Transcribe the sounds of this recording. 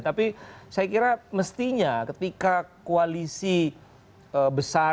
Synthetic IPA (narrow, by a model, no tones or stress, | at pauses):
t̪apisajakiɾaməst̪iɲakət̪ikakoalisi | əbəsa